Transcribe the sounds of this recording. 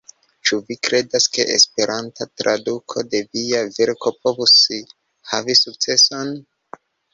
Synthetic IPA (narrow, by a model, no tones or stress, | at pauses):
t͡ʃuvikɾe̞daske̞̰ʔḛspe̞ɾʔantatɾa̰dukʰo̞de̞viaviɾko̞p̚o̞vusi | havisuk̚t͡se̞son